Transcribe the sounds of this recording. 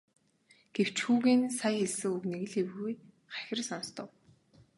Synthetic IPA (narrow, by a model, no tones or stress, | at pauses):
ɡ̥ew̥t͡ɕxuːɣeːnsajxeɮsɘ̆ŋukneɣɘ̆ɮewɣuj | χæxʲɪ̆rsɔnst̪ɞ̆w